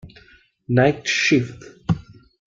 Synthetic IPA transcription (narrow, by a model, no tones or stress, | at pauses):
naɪk̚ʈʃift̪